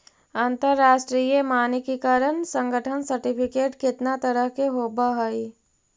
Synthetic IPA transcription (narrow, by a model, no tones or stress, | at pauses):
ãnt̪əɾːaːʃʈɾiːjemaːnekekaːɾənsə̃ŋɡʱəʈʰənsəɾʈɪpʰɪkeːʈkɪt̪nat̪əɾəɦkeɦoːbaɦoi